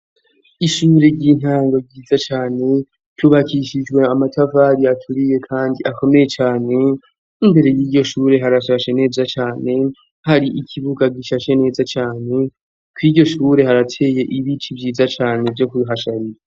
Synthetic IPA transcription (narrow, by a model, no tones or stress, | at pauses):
iʃuːɾe̞ɾɟiːn̥haːŋɡo̞ɟiːzat͡ʃaːne̞ | tʰuβakiʃid͡ʒɡwe̞amatʰavaːɾiatʰuɾije̞kʰaːndiʔako̞me̞je̞t͡ʃaːne̞ | imbe̞ɾe̞jiːɟo̞ʃuːɾe̞ɦaɾaʃaʃe̞ne̞ːzat͡ʃaːne̞ | haɾiʔicʰiβuɡaɡiʃaʃe̞ne̞ːzat͡ʃaːne̞ | kwiːɟo̞ʃuːɾe̞ɦaɾatʰe̞ːje̞ʔiβit͡ʃibjiːzat͡ʃaːnevjo̞kuɦaʃaɾiɾa